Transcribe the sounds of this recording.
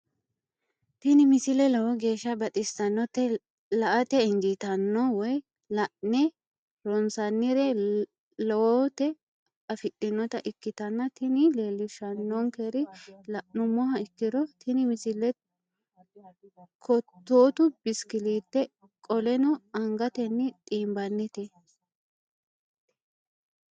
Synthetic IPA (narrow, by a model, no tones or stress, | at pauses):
t̪ɪnɪmɪsɪlɛlɔwɔɡe̞ːʃːɐbɐt̪ʼɪst̪ɐnːɔt̪ːɛ | lɐʔɐt̪ɛɪŋɡit̪ɐnːɔwɔj | lɐʔnɛ | ɾɔnsɐnːɪɾɛ | lɔwɔt̪ɛ | ɐfɪtʼːɪnːɔt̪ɐʔɪkːɪt̪ɐnːɐt̪ɪnɪleːlːɪʃɐnːɔŋkeɾɪlɐʔnʊmɔɦɐɪkːɪd̪ɔt̪ʰɪnɪmɪsɪlːɛ | kʰɔt̪ːoːt̪ʊbɪskɪliːt̪ːɛ | kʼɔlɛnɔɐŋɡɐt̪ɛnːɪt̪ʼiːmbɐnːɪt̪ɛ